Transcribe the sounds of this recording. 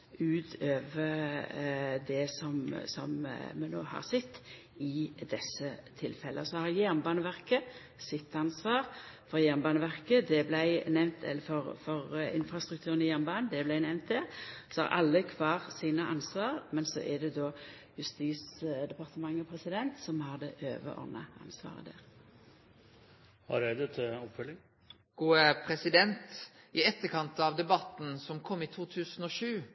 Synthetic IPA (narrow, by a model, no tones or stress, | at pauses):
ʉːt̪ʰøːʋə | d̪ɛsɔmsɔmmɛno̰ːhɑ̰ʁsɛt̪ː | ɪd̪ɛsːət̪ʰɪlfɛlʔəsɔhɑɾjæɾnbɑːnəʋæʁkə | sɪt̪ːɑnsʋɑːʁfɔʁjæɾnbɑːnəʋæʁkəd̪ɛblæɪnɛʋnt̪ʰɛ̰lːəfɔɾfɔɾɪ̰nfɾɑst̪ɾʉkt̪ʰʉːɾənɪjæɾnbɑːnnd̪ɛblæɪnɛʋnt̪d̪ɛʁsɔɑ̰ʁʔɑ̰lːəkʰʋɑːʁsiːnəʔɑnsʋɑːʁmɛnsɔ̰ʔɛd̪ɛd̪oː | jʉst̪iːsd̪ɛpɑʁt̪əmɑŋːəpʰʁɛsɪd̪ɛnt̪sɔmhɑʁd̪ɛʔø̰ːʋə̰ʔɔ̰nə̰ʔɑ̰nsʋɑ̰ːʁə̰d̪æ̰ːʁ | hɑ̰ɾed̪ət̪ʰɪlɔpfœlːɪŋ | ɡ̥uːəpʰɾɛsɪd̪ɛnt̪ | ɪɛt̪ːəkʰɑnt̪ɑʋd̪ɛbɑt̪n̩sɔmkʰɔmːit̪ʰuːt̪ʰʉːsən̩ɔʃʉː